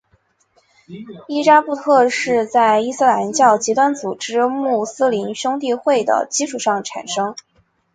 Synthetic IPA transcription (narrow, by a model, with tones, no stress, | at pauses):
i˥ʈ͡ʂa˥pu˥˧t̪ʰɤ˥˧ʂɻ̩˥˧t͡sa˥˩ɪi˥sɹ̩˥˩la˧˥nt͡ɕjɑ˥˩ʊt͡ɕi˧˥t̪wa˥nt͡su˨˩ʈ͡ʂɻ̩˥mu˥˩sɹ̩˥li˧˥nɕʊ˥ŋt̪̬i˥˧xwe˥˩ɪd̪ə̰˩t͡ɕi˥ʈ͡ʂʰu˨˩ʂɑ˥˩ŋʈ͡ʂʰa̰˨˩nʂɤ˥ŋ